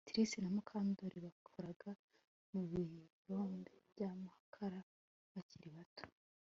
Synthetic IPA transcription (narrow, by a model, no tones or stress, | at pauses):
tiɾisinamukʰaːndoɾiβakʰuɾaɡa | muβiɾoːmbebɟaːmuhakʰaɾa | βaciɾiβato̥